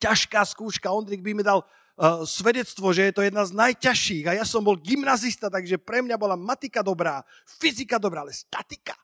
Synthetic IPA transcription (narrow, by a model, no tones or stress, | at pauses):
caʃkaːskuːʃkaɔnd̪ɾiɡbimid̪al | sʋɛd̪ɛt͡st̪ʋɔʒɛjɛt̪ɔjɛd̪naznajcaʃiːɣajasɔmbɔlɡimnazist̪at̪aɡʒɛpɾɛmɲabɔlamat̪ikad̪ɔbɾaː | fizikad̪ɔbɾaːalɛst̪at̪i̥kḁ